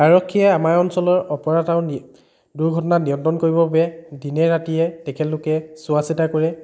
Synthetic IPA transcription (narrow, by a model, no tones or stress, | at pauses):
aɹɔkʰːijɛamaɹɔnsɔlɔɹɔpɔɹataʊ̃ | duɹɡʱɔtɔnanijɔntɹɔnkoɹibɔbabɛdinɛɹatiɛtɛkʰɛlʊkɛsʊasitakoɹɛ